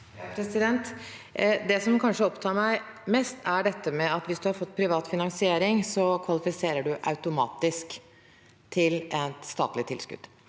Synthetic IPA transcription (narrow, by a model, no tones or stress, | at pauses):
pʰɾɛsɪd̪ɛnt̪ | d̪ɛsɔmkʰɑnʂəɔpt̪ʰɑːɾmæɪ | meːst̪ʰæɖɛt̪ːəmɛɑt̪ʋɪsd̪ʉhɑɾfɔt̪ːpʰɾɪʋɑːt̪fɪnɑŋsɪeːɾɪŋsɔkʰʋɑlɪfɪseːɾəɖʉʔɑ̰ʉt̪ʊmɑ̰ːt̪ɪsk | t̪ʰɪlɛt̪st̪ɑ̰ːt̪lɪt̪ʰɪ̰lskʉ̰d̪̥